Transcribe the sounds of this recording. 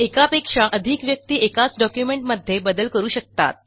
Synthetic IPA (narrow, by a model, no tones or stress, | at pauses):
ekapekʂaʔəd̪ʱikʋjək̚t̪iːʔekat͡sɖɔkjumeɳʈməd̪ʱːjebəd̪əlkəɾuːɕək̚t̪a̰t̪̚